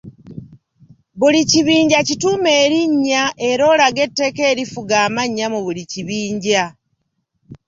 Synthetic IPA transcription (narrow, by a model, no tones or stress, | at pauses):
βuliciβiːɲɟacitume̞ːɾiɲːaʔe̞ɾo̞ːlaɡe̞tːe̞ke̞ːɾifuɡaːmaɲːamuβuliciβiːɲɟa